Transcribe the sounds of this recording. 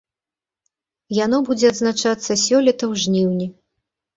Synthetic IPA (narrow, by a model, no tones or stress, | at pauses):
janɔbud͡zʲɛɐd̪znat͡ʂat̪sːɐsʲɔlʲɛt̪ɐwʐnʲiwnʲi